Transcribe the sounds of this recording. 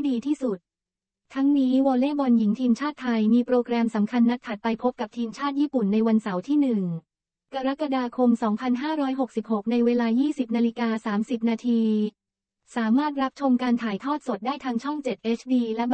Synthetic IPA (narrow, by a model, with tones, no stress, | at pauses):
diː˧t̪ʰiː˥˩su˨˩t̪̚ | t̪ʰːa˦˥ŋniː˦˥wɔː˧leː˥˩bɔ˧nji˩˦ŋt̪ʰiː˧mt͡ɕʰaː˥˩t̪ʰːa˧jmiː˧pɾoː˧kɾɛː˧msa˩˦mkʰa˧nːa˦˥t̪ʰːa˨˩t̪̚pa˧jpʰo˦˥p̚ka˨˩p̚t̪ʰiː˧mt͡ɕʰaː˥˩t̪̚jiː˥˩pu˨˩nːa˧jwa˧nsa˩˦wt̪ʰiː˥˩nɯ˨˩ŋ | ka˧ɾa˦˥ka˧daː˧kʰo˧msɔː˩˦ŋpʰa˧nɦaː˥˩ɾɔː˦˥jɦo˨˩k̚si˨˩p̚ho˨˩k̚na˧jweː˧laː˧jiː˥˩si˨˩p̚naː˧li˦˧˥kaː˧saː˩˦msi˨˩p̚naː˧t̪ʰiː˧ | saː˩˦maː˥˩t̪̚ɾa˦˥p̚t͡ɕʰo˧mkaː˧nt̪ʰaː˩˦jt̪ʰɔː˥˩t̪̚so˨˩t̪̚daː˥˩jt̪ʰaː˦˥ŋt͡ɕʰɔ˥˩ŋt͡ɕe˨˩t̪̚ʔeː˦˥t͡ɕʰdiː˧lɛ˦˥